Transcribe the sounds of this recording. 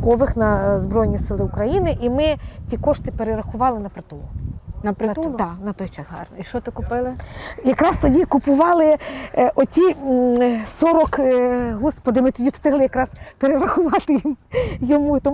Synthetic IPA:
kɔʋɪxnɐzbɾɔjnʲisɪlˠɪʊkɾɐjinɪʔimɪtʲikɔʃt̪ɪpeɾeɾɐxʊʋɑlˠɪnɐpɾɐt̪ulˠʊnɐpɾˠnɐt̪ɔjt͡ʃɑsiʃt͡ʃɔt̪ɪkʊpɪlˠɪjɐkɾɑst̪ɔdʲikʊpʊʋɑlˠɪʔɔtʲi | sɔɾɔkɦɔspɔd̪ɪmɪt̪ɔdʲist̪ɪɦlˠɪjɐkɾɑspeɾeɾɐxʊʋɑt̪ɪjimjɔmut̪ɔm

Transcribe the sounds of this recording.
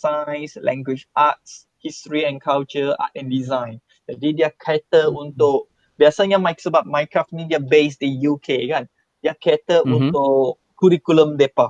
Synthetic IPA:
sajslɛ̰̃ŋɡwit͡ʃʔat̚s | histɹiɛ̃nkʰalt͡ʃəa̰tɛ̃ndizãj̃n | dadidiakʰɛtəũnt̪oʔ | biasəŋɲãmajksəbap̚majkɹafnĩdiabesdijukʰeɡãn | diakʰɛt̪əũnt̪oʔ | kuɹikulə̃mdepa

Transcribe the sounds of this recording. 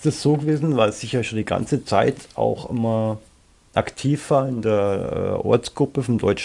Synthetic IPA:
ɪstasz̥oːɡəveːzn̩vaɪlsz̥ɪçjaːʃondiɡa̰nt͡sət͡saɪtʔa̰ʊxʔɪ̰mɐ | ʔaktʰiːfv̥aːɐɪndeːɐɛ̰ʔɔ̰ɐt͡sɡ̥ʁʊpəfɔndɔʏt͡ʃ

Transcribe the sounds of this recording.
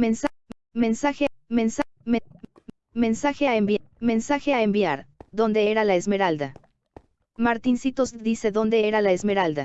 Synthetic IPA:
mens | mensaxemensme | me̞nsaxeaembme̞nsaxeaembiaɾðo̞nd̪e̞eɾalaezme̞ɾald̪a | maɾt̪insit̪ozðise̞ðo̞nd̪e̞eɾalaezme̞ɾald̪a

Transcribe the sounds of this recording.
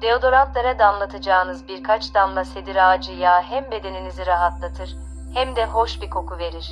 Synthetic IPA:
d̪̥eo̞d̪o̞ɾamplˠaɾad̪amlˠat̪ʰɯd͡ʒaːnɯzbiɾkʰat͡ʃd̪amlˠase̞d̪iɾad͡ʒɯjaɦæmbe̞d̪e̞niniziɾaɦat̪lˠat̪ʰɯɾ̥ | hæmd̪ɛɦo̞ʃbikʰo̞kʰuve̞ɾiɾ̥

